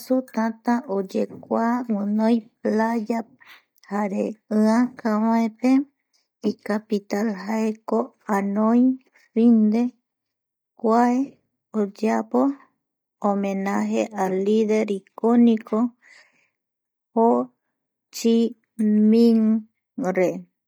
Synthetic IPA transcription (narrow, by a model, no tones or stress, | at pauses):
sut̪ãt̪ãʔod͡ʒekʷaŋɨ̃nõjplaja | haɾeɨãkãwãẽpe | ikapit̪alhaeko | anõj | find̪e | kʷae | od͡ʒapo | omẽnaɦeʔaliðeɾikonĩkʰo | ho | t͡ʃi | mĩŋ | ɾe